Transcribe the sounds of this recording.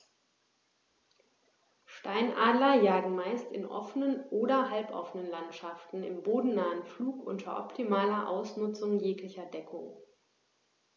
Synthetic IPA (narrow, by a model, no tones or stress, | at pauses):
ʃtaɪnʔaːdlɐjaːɡŋ̩maɪstɪnʔɔ̰fənənʔoːɾɐɦalpʔɔ̰fənənlantʃaftn̩ɪ̰mboːdn̩naːənfluːkʔʊ̰ntʰɐ̰ʔɔ̰ptʰimaːlɐʔa̰ʊsnʊt͡sʊŋjeːklɪçɐdɛkʰo̰